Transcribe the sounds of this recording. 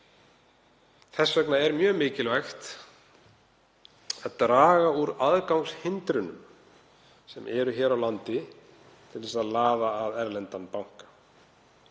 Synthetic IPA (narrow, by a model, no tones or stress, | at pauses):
θɛsːvœknaɛɾmjœːmɪːcɪlvaxt̪ | aðt̪ɾaːɣauɾaðkawŋshɪnt̪ɾʏnʏ̰m | sɛmʔɛɾʏçɛːɾawlant̪ɪ | t̪ʰɪlðɛsaðlaːðaːðɛɾlɛnt̪anpawŋ̥kḁ